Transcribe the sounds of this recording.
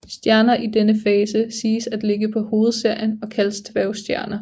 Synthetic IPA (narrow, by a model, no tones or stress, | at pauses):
sd̥jæɐnɐʔid̥enəfɛːsəsiːsæd̥le̝ɡ̥əpʰɒ̽ho̝ːð̩ˠse̝ɐ̰jənɒ̽kʰælst͡sʰʋæʊsd̥jæɐnɐ